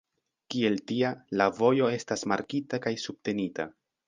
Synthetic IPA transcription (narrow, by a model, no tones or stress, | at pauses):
kie̞ltialavo̞jo̞e̞stasmaɾkitakajsub̥̚te̞nita̰